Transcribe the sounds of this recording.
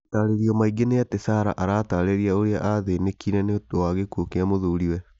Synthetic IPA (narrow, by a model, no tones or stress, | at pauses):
taɾeɾiɔmaiɡenejatesaɾa̰ʔaɾaːtaːɾeɾiaoɾeaʔaðenekiɾɛneoowaɣekuokeamoðoːɾiwɛ